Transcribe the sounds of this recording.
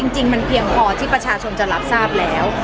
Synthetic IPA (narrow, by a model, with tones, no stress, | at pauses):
t͡ɕi˧ŋt͡ɕi˧ŋma˧npʰi˧əŋpʰɔː˧t̪ʰiː˥˩pɾa˧t͡ɕʰaː˧t͡ɕʰo˧nt͡ɕa˨˩la˨˦˥p̚saː˥˩p̚lɛː˦˥w